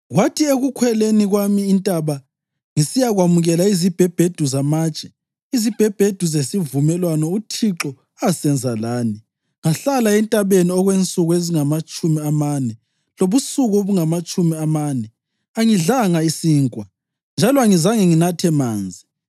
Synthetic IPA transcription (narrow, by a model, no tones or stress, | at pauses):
ɣwatʰieɣukʰwɛleniɣwamiːntʼaβa | ŋisijaɣwamuɣɛlaizib̥ʱɛb̥ʱed̥ʱuzamaːt͡ʃʼɛ | izib̥ʱɛb̥ʱed̥ʱuzesivumɛlwanɔutʰiǁɔ | asɛnd͡zʱalaːni | ŋaɬalaɛntʼaβeniɔɣwent͡sʼuɣeziŋamat͡ʃʼumiamanɛ | loβusuɣuβuŋamat͡ʃʼumiamanɛ | aŋiɮaŋaisiːŋkʼwa | nd͡ʒʱalɔaŋizaŋɛŋinatʰɛmaːnd͡zʱi